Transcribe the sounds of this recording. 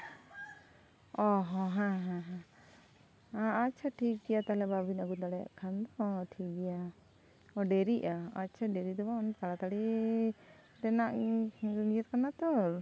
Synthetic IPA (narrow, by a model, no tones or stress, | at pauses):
ɔɦɔ̃ɦãɦãɦã | aːtːt͡ʃʰaʈʰik̚ɡɛjat̪alɛbabinaɡud̪aɽɛja̰ʔkʰand̪ɔʈʰik̚bɛja | ɔɖɛɾiʔaatːt͡ʃʰaɖeɾid̪ɔbaɔnkaɽat̪aɽi | ɾɛnaʔ | lijɛt̪̚kanat̪ɔɾ